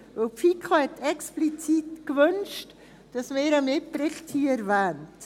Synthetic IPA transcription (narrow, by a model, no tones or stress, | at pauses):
vəlpfikʰohɛtɛksplit͡siːtkvʏnʃt | d̥ɑsmeːɾəmɪpɾɪχthiːɛɾvɛːnt